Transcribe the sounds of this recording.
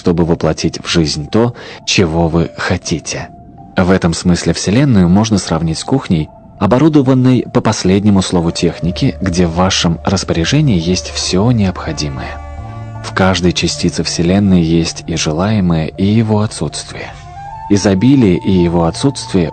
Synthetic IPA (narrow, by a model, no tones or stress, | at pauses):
ʂt̪o̞bɨvəplˠɐtʲitʲvʐɨzʲnʲt̪o̞t͡ɕɪvo̞vɨxɐtʲitʲʰɪ̥ | vɛt̪əmsmɨsʲlʲɪfsʲɪlʲe̞nːʊjʊmo̞ʐnəsrɐvnʲitʲskuxnʲɪj | ɐbɐɾud̪əvənːɨjpəpɐsʲlʲedʲnʲɪmʊslˠo̞vʊtʲʰe̞xnʲɪkʲɪɡdʲe̞vːaʂɨmrəspəɾʲɪʐɛnʲɪːjesʲtʲfsʲonʲɪɐpxɐdʲiməjə | fkaʐd̪əjt͡ɕɪsʲtʲit̪sɨfsʲɪlʲenːɨjəjesʲtʲiʐɨlˠajɪməjəʔijɪvo̞ɐt̪sut̪st̪vʲɪjə | ɪzɐbʲilʲɪjəʔɪjɪvo̞ɐt̪sut̪st̪vʲɪjə